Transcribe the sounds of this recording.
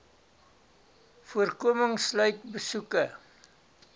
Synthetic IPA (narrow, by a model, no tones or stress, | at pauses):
fuərkuəməŋslœɥtbəsukə